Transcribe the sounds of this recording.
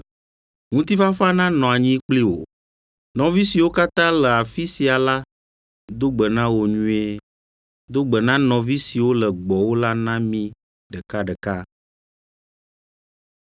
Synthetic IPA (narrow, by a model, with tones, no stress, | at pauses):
ŋũ˦t̪i˦fa˦fa˦nã˦nɔ̃˨a˨ɲĩ˦k͡pli˦wo̰˨ | nɔ̃˨vi˦si˨wo˦ka˦t̪ã˦lə˨a˨fi˦si˨a˨la˦ | d̪o˦ɡ͡bə˨nã˦wo˨ɲũ˦e˦ | d̪o˦ɡ͡bə˨nã˦nɔ̃˨vi˦si˨wo˦lə˨ɡ͡bɔ˨wo˦la˦nã˦mĩ˦ | ɖə˨ka˦ɖə˨ka˦